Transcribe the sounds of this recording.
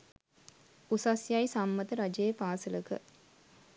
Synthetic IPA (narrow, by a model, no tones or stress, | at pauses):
usasjajsamːət̪əɾad͡ʒejepaːsələkə̰